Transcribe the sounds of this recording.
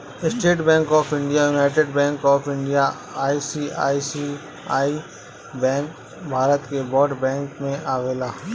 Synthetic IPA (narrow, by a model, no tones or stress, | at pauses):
ɪsʈeːʈbɛ̃ːŋkɔːpʰɪ̃ɳɖijajuːnaːɪʈ̬eːɖbɛ̃ːŋkɔːpʰɪ̃ɳɖija | aːisiːa̰ːisi | aːi | bɛ̃ːŋk | bʱaːɾət̪kebɔːɖbɛ̃ːŋkmẽʔaːʋeːlaː